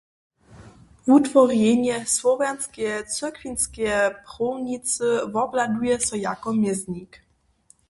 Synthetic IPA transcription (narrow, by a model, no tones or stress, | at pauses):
vut̪vɔrjɛɲɛswɔvanskʲɛt͡sɛkvʲinskʲɛjpχɔwɲitt͡s̪ɨvɔblad̪ujɛsɔjakɔmʲjɛzɲik